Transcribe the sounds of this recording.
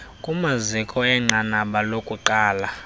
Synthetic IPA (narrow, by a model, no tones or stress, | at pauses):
kʼumazikʼɔɛŋ͡ǀanaɓalokʼuǃaːla